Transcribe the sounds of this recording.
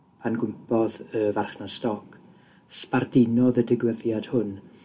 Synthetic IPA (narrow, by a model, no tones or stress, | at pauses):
pʰanɡʊmpɔðəvarχnastɔkʰ | spardɪnɔðədɪɡwəðjad̥hʊn